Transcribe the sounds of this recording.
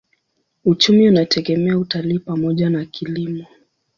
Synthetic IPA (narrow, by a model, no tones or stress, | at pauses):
ut͡ʃumiunatʰɛɡɛmɛautaliːpamɔʄanakʰilimɔ